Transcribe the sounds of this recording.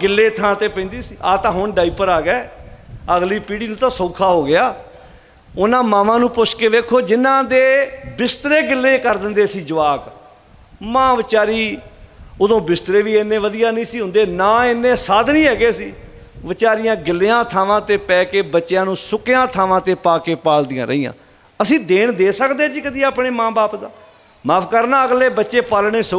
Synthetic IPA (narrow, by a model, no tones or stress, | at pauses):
ɡɪlːeːt̪ʰãːt̪eːpɛ̃nd̪iːsiːʔaːt̪ãːɦʊɳɖaːiːpəɾaːɡɛːəɡliːpiːɽiːnũːt̪ãːsõːkʰaːɦoːɡɪjaː | ʊnãːmãːʋãːnũːpʊt͡ʃʰkeːd̪eːkʰoːd͡ʒɪnːãːd̪eːbɪst̪ɾeːɡɪlːeːkəɾd̪ɪnd̪eːsiːd͡ʒəʋaːk | mãːʋɪt͡ʃaːɾiː | ʊd̪õːbɪst̪ɾeːʋiːenːẽːʋəd̪ɪjaːnĩːsiːɦʊ̃nd̪eːnaːɪnːẽːsaːd̪nĩːɦɛːɡeːsiː | ʋɪt͡ʃaːɾɪjãːɡɪlːeːãːt̪ʰaːʋãːt̪eːpɛːkeːbətːʃjãːnũːsʊkejãːt̪ʰaːʋãːt̪eːpaːkeːpaːld̪ɪjã̰ːɾə̰iːã̰ː | əsĩːd̪eːɳd̪eːsəkd̪eːd͡ʒiːkəd̪iːaːpɳeːmãːbaːpd̪aː | maːpʰkəɾnaːəɡleːbətːʃeːpaːlɳeːsə